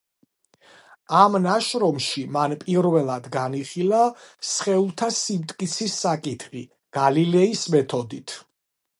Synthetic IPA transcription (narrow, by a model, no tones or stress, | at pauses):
amnaʃɾɔmʃimanpʼiɾvɛlˠad̪ɡaniχilˠasχɛulˠt̪ʰasimt̪ʼkʼit̪sʰisːakʼit̪ʰχi | ɡ̥alilɛismɛt̪ʰɔd̪it̪ʰ